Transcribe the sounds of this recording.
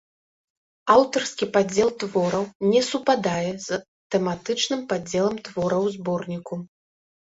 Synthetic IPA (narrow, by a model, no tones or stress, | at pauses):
awt̪ɐrskʲipad͡zʲɛlˠt̪vɔɾɐwnʲɛsupad̪ajɛz | t̪ɛmat̪ɨt͡ʂnɨmpad͡zʲɛlˠɐmt̪vɔɾɐwzbɔrnʲiku